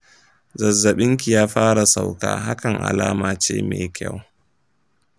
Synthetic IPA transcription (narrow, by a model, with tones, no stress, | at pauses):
zɐ˨zːɐ˨ɓɪ˦ŋk̬ʲi˨jaː˦ɸaː˦ɽa˨sa˨wka̰ː˦ɦa˦kɐ˨ŋʔa̰˨laː˦maː˨t͡ʃeː˦mḛː˨kʲa˦˨w